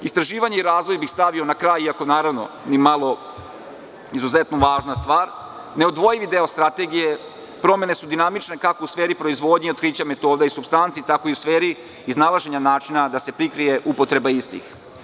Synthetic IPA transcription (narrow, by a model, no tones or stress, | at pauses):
ist̪ɾaʒiːʋaɲeiɾaːzʋo̞jbixst̪aʋio̞nakɾaːjiako̞naːɾaʋno̞̰ | nimalˠo̞ | izuzet̪noʋaːʒnast̪ʋaːɾ | ne̞od̪ʋo̞jiʋid̪eost̪ɾat̪e̞ɡije̞ | pɾo̞me̞ne̞sud̪inamit͡ʃne̞kako̞usfeːɾipɾo̞izʋo̞d̪ɲeot̪kɾiːt͡ɕame̞t̪o̞ːd̪aisubst̪ant̪sit̪ako̞iusfeːɾiː | znalˠaʒe̞ɲanaːt͡ʃinad̪ase̞pɾikɾije̞ʔupo̞t̪ɾe̞baist̪ḭx